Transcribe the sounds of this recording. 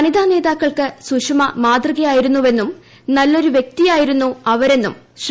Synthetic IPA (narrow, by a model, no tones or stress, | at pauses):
ɐnid̪ʱaːne̞ːðaːkːɐɭkɨsuʂɐmɐmaːd̪rɨɣɐjaːjiɾunːuʋe̞nːum | nɐlːo̞ɾuʋje̞k̚t̪ijaːjiɾunːuɐʋɐɾe̞nːum | ɕ